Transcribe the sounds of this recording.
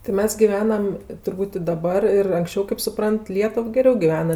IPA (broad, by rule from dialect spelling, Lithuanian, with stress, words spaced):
tʲɪ ˈmʲɛs ɡʲɪˈʋʲæːnɐm tʊrˈbuːtʲ ɪ dɐˈbɐr ɪr ɐŋksʲˈt͡ʃʲɛʊ kɐɪp sʊˈprɐnt ˈlʲiɛtʊw ɡʲɛˈrʲɛʊ ɡʲɪˈʋʲæːnɐ